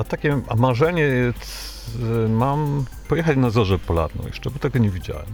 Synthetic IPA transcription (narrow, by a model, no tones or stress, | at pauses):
at̪akʲɛamaʐɛɲɛjɛt̪ | mam | pɔjɛxat͡ɕnazɔʐɛpɔla̰d̪nɔ̰w̃jɛ̰ʂt͡ʂɛbɔt̪ɛɡɔɲɛvʲid͡ʑa̰wɛ̰m